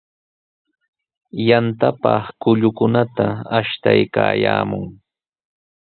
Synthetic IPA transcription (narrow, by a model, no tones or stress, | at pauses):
jant̪apɑχkʊʎʊkʊnat̪aaʃt̪ajkaːjaːmʊŋ